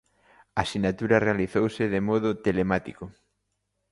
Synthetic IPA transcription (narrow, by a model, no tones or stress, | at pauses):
asinat̪uɾɐrealiθowsɪðemɔð̞ʊt̪elemat̪ikʊ